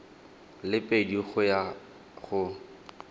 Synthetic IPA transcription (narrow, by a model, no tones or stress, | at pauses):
lɪpʼediɣʊja | χʊ